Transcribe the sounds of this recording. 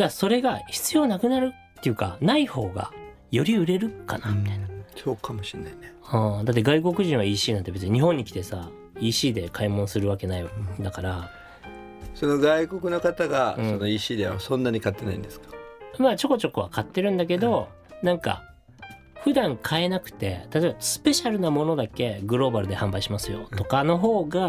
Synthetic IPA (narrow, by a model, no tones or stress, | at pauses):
d̪aso̞ɾe̞ɡaçi̥t͡sɨjo̞ːnakɯ̟naɾɯ̟t̪ːe̞jɯ̟ːka̰naiho̞ːɡa̰ | jo̞ɾʲiɯ̟ɾe̞ɾɯ̟kanasoːkʰamoɕinːaineaːd̪at̪̬ːeɡaiko̞kɯ̟ʑĩɰ̃βaiːɕiːnant̪be̞t͡sɨɲiɲ̟iɦõ̞ɲ̟ːikʲi̥t̪e̞sa̰ | iːɕiːd̪e̞kʰaimõ̞ñsɨɾɯ̟β̞ake̞naid̪akaɾa | sono̞ɡaiko̞kɯ̟no̞kat̪aɡãsono̞iːɕiːd̪eβasõ̞nːaɲ̟ikat̪ːe̞na̰ḭ̃nd̪esɨ̥kḁmaːt͡ɕo̞ko̞t͡ɕo̞koβakat̪ːe̞ɾɯ̟̃nd̪ake̞d̪o̞ | nãŋka̰ | ɸɯ̟d̪ãŋkʰae̞nakɯ̟̥t̪e̞t̪at̪oːbasɨ̥pe̞ɕaɾɯ̟namo̞no̞d̪ake̞ɡɯ̟ɾo̞ːbaɾɯ̟d̪e̞hãmbaiɕimasɨjo̞̰t̪o̞kano̞ɦo̞ːɡa